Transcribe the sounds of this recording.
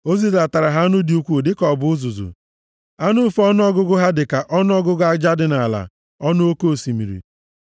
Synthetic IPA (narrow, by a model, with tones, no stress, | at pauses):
o˦zi˦za˨ta˨ɾa˨ɦa˦a˦nʊ˦di˨u˦kʷu˦˨dɪ˦kɔ˨bʊ˨˦ʊ˦zʊ˨zṵ˨ | a˦nʊ˦fɔ˦n˦ɔ˦ɡʊ˦ɡʊ˦ɦa˦dɪ˨ka˨ʔɔ˦nʊ˦ɔ˦ɡʊ˦ɡʊ˦a˦d͡ʒa˦dɪ˨na˨la̰˨ | ɔ˦nʊ˦o˦ko˦˨si˨mḭ˨ɾḭ˨